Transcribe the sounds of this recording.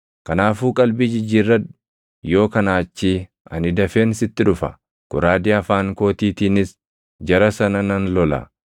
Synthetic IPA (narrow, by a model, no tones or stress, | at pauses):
kɐnaːfuːkʼɐlbiːd͡ʒɪd͡ʒːiːrːɐd̪ | jo̞ːkɐnaːt͡ʃːiː | ɐ̰nɪd̪ɐfeːnsɪt̪ːɪᶑʊfɐ̰ | kʊɾaːd̪ɪɐfaːŋko̞ːt̪iːt̪iːnɪs | d͡ʒɐɾɐsɐnɐnɐnlɔlɐ̰